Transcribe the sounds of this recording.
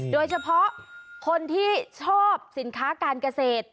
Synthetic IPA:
doː˧jt͡ɕʰa˧pʰɔ˦˥ʔkʰo˧nt̪ʰiː˥˩t͡ɕʰɔː˥˩p̚si˩˦nkʰaː˦˥kaː˧nka˧seː˨˩t̪̚

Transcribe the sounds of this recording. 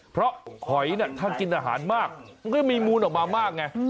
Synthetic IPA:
pʰɾɔ˦˥kʰɔ˨˩˦jni˥˩ɐt̪ʰaː˥˩ki˧nʔaː˧ɦa̰ː˩˦nmaː˥˩k̚ma˧ŋkɔ˥˩miː˧muː˧nʔɔ˨˩k̚maː˧maː˥˩k̚ŋa˦˥

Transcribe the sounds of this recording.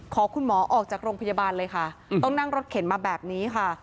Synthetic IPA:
kʰɔː˩˦kʰu˧nmɔː˩˦ʔɔː˨˩k̚t͡ɕaː˨˩k̚ɾoː˧ŋpʰa˧jaː˧baː˧nlɤː˧jkʰa˥˩t̪ɔ˥˩ŋna˥˩ŋɾo˦˥t̪̚kʰe˩˦nmaː˧bɛː˨˩p̚niː˦˥kʰa˥˩

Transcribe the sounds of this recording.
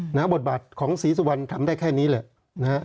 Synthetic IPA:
na˦˥bo˨˩t̪̚baː˨˩t̪̚kʰɔː˩˦ŋsiː˩˦s̬u˧˩wa˧nt̪ʰa˧mdaː˥˩jkʰɛː˥˩niː˦˥lɛ˩˨˦ | na˦˥

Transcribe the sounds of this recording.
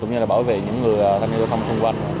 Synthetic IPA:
ʊ̰˧˥ŋ͡mɲɨ˧laː˨˩ɓaː˧˩wvḛ˧˨ɲɨ̰˧˥ŋːɨ˨˩əjʔaː˨˩t̪ʰaː˧ɲ˧o˧t̪ʰa˧m˩sʊ˧ŋ͡mkwa˧jn

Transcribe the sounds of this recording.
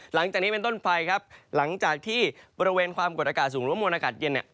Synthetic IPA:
la˩˦ŋt͡ɕaː˨˩k̚niː˦˥pe˧nt̪o˥˩npʰa˧jkʰa˦˥p̚la˩˦ŋt͡ɕaː˨˩k̚t̪ʰiː˥˩bɔː˧ɾi˧weː˧nkʰwaː˧mko˨˩t̪̚ʔa˧aː˨˩t̪̚suː˩˦ŋɾɯ˨˦˥mu˧nʔaː˧kaː˨˩t̪̚je˧nːi˨˩

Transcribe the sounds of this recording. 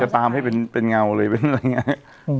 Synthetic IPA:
a˧˩t̪aː˧mha˥˩jpe˧npe˧nŋa˧wlɤː˧jpe˧n˧a˧jŋːi˦˥ʔ

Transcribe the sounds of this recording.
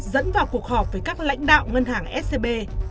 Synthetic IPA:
zə̰˧˥nvaː˨˩wku˨˩ək̚hɔː˨˩p̚vəː˨˩jkaː˦˥k̚la̰˧˥jŋ̟ɗa̰ː˧˨wŋə˧nɦaː˧˩˦ŋʔɛ˦˥t̚se˧ɓe˧

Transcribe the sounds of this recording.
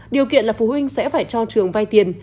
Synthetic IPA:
ɗi˨˩əwkḭ˧˨ənlaː˨˩fu˨˩hwï˧ŋ̟sɛ̰˧˥faː˧˩jt͡ɕɔ˧t͡ɕɨ˨˩əŋva˧jt̪i˨˩ən

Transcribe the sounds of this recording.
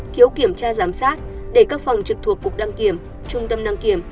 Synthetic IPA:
ki˨˦əwki˧˩əmt͡ɕaː˧zaː˨˦msaː˦˥t̚ | ɗe˧˩kaː˦˥k̚fwŋ͡mt͡ɕɨ˨˩k̚t̪ʰu˨˩əkːu˨˩k̚ɗa˧ŋki˧˩əm | t͡ɕʊ˧ŋ͡mt̪ə˧mɗa˧ŋki˧˩əm

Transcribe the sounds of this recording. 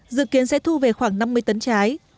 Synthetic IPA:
zɨ̰˧˨ki˨˦ənsɛ̰˧˥t̪ʰu˧ve˨˩xwaː˧˩ŋna˧mːɨ˧əjt̪ə˨˦nt͡ɕaː˨˦j

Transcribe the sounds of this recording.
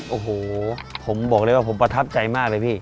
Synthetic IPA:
ʔoː˧˩hoː˨˩pʰo˩˦mbɔː˨˩k̚dɤː˧˥˩waː˥˩pʰo˩˦mpɾa˧t̪ʰa˦˥p̚t͡ɕa˧jmaː˥˩k̚lɤː˧jpʰiː˥˩

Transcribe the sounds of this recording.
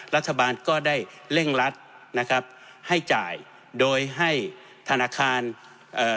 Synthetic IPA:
la˦˥t̪ʰːa˧baː˧nkɔː˥˩da˥˩jle˥˩ŋla˦˥t̪̚ | na˦˥kʰa˦˥p̚ | ha˥˩jt͡ɕa̰ː˨˩j | doː˧jɦa˥˩j | t̪ʰa˧naː˧˥kʰaː˧n | ʔɤː˨˩

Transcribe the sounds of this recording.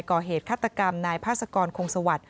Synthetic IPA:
jkɔː˨˩ɦeː˨˩t̪̚kʰaː˥˩t̪ːa˧ka˧mnaː˧jpʰaː˥˩t̪̚sa˧kɔː˧nkʰo˧ŋsa˧wa˨˩t̪̚

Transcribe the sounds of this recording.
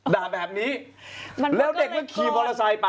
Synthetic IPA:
daː˨˩bɛː˨˩p̚niː˦˥ | ma˧lɛː˦˥˩wde˨˩k̚mɯ˦˥˩kʰiː˨˧˩bɔː˧la˧sa˧jpa˨˧

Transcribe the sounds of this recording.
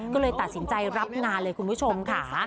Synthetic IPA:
kkɔː˥˩lɤː˧jt̪a˨˩t̪̚si˩˦nt͡ɕa˧jɾa˦˥p̚naː˧nlɤː˧jkʰu˧npʰu˦˥t͡ɕʰo˧mkʰa˦˩

